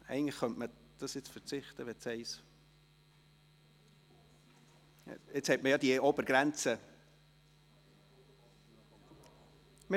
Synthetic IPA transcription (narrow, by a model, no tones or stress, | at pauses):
ɛ̰ɪəŋ̩lə̥χœntmə | d̥ɑsjɪt͡sfət͡sɪχtəʋɛt͡shɛɪs | ɪt͡shɛtməjɑd̥iobəɾɡ̥ɾɛnt͡sə | mə